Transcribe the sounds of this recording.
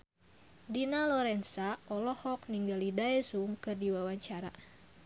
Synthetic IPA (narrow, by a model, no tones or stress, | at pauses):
dinalɔɾɛnsaɔlɔhɔk̚niŋɡalidaɛsuŋkɨrdiwawaɲt͡ʃaɾa̰